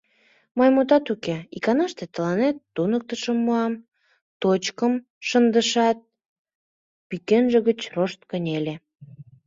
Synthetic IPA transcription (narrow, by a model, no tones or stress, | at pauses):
mɑjmut̪ɑt̪ukeḭkɑnɑʃt̪et̪əlɑnet̪ːunək̚t̪əʃəmːuɑm | t̪ot͡ɕkəm | ʃənd̪əʃɑt̪̚ | pikenʒəɣət͡ɕroʃt̪̚kənʲele